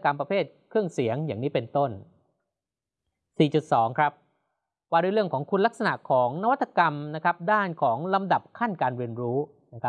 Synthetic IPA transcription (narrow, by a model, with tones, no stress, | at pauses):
ka˧mpɾa˧pʰeː˥˩t̪̚kʰɾɯ˥˩əŋsi˩˦əŋjaː˨˩ŋniː˦˥pe˧nt̪o˥˩n | siː˨˩t͡ɕu˨˩t̪̚sɔː˩˦ŋkʰɾa˦˥p̚ | waː˧duː˧˥˩ɾɯ˥˩əŋkʰɔː˩˦ŋkʰu˧nla˦˥k̚sa˧na˨˩ʔkʰɔː˩˦ŋna˦˥wa˥t̪ʰːa˧ka˧mna˦˥kʰa˦˥p̚daː˥˩nkʰɔː˩˦ŋla˧mda˨˩p̚kʰa˥˩nkaː˧nɾi˧ənɾuː˦˥ | na˦˥kʰa˦˥